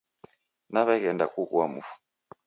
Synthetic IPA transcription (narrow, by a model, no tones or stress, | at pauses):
naβɛkɛnda̰kukuwamufu̥